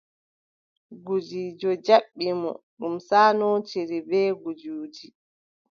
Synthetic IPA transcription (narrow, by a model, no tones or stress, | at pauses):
ɡud͡ʒiːd͡ʒɔd͡ʒaɓːimɔ̰ɗumsaːnɔːt͡ʃeɾibɛːɡud͡ʒuːd͡ʒi